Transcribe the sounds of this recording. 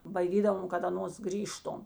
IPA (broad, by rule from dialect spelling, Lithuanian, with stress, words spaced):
bɐɪˈdʲiːdɐʋoːm kɐt ɐˈnoːs ˈɡrʲiːʃtoːm